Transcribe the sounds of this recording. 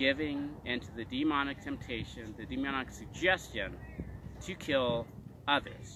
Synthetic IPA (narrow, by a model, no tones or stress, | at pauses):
ɡ̥ɪvɪ̃ŋɪ̃ntʰʉðɨdimɑnɨk̚tʰɛ̃mp̚tʰeɪʃɨ̃nðɨdimɑnɨksɨɡ̚d͡ʒɛst͡ʃɨ̃n | tʰɨkʰɪlˠ | ʌðə̰˞z̥